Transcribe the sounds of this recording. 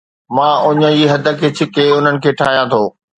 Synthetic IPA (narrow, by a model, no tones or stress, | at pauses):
mãːʊɲə̆d͡ʑiːɦɐd̪ʱə̆kʰet͡ɕʰɪ̆keːʊn̤ənɪ̆kʰeːʈʰaːɦijãt̪ʰoː